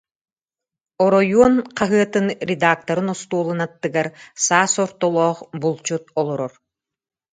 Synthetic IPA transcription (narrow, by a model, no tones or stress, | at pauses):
ɔɾɔjuɔnqaɦɯɐt̪ɯnɾʲed̪aːk̚t̪ɐɾɯnɔst̪uːlˠɯnat̪ːɯɡaɾsaːsɔɾt̪ɔlˠɔːχbulˠt͡ɕut̪̚ɔlˠɔɾɔɾ